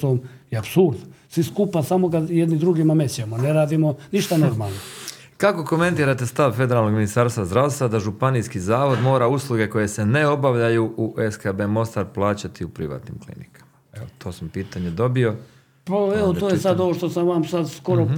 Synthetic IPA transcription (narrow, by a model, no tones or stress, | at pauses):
omjeapsuɾd̪nsʋiskupasamo̞ɡajed̪nid̪ɾuɡimamet͡ɕemoneɾaːd̪imo̞niʃt̪ano̞ɾmalˠno | kako̞ko̞me̞nt̪iːɾat̪e̞st̪aʋfe̞d̪e̞ɾalno̞ɡminist̪aːɾst̪ʋazd̪ɾaʋst̪ʋad̪aʒupaniskizaːʋod̪mo̞ːɾauslˠuɡe̞ko̞je̞seneo̞baʋʎajuʔuʔeskabemo̞st̪aɾplˠaːt͡ɕat̪iupɾiʋa̰t̪nḭmklḭnikʰḁmaet̪ʰo̞ːsampiːt̪aɲed̪o̞bio̞ | paeʋot̪oːjesad̪o̞ʋo̞ʃt̪osamʋamsad̪sko̞ɾo